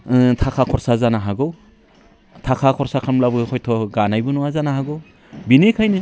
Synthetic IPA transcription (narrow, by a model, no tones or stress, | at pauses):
tʰakʰakʰɔɾsazanaɦaɡɯw | tʰakʰakʰɔɾsakʰanmlabɔkʰɔjtʰɔɡanajbɔnuazanahaɡɯw | binekʰajnɯ